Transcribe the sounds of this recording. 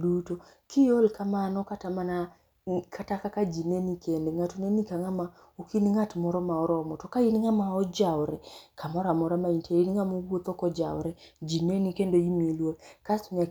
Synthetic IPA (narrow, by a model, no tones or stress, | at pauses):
duto | kʰijolkamanɔkatamana | kʰatakakad͡ʒinenikʰendeŋatunenikaŋama | ukiniŋatmɔɾɔmaɔɾɔmɔtɔkainiŋamaɔd͡ʒawɾɛkʰamɔɾamɔɾamaintʰeiniŋamubot̪ɔkɔd͡ʒa̰wɾɛd͡ʒinenikendoimilwokasuɲa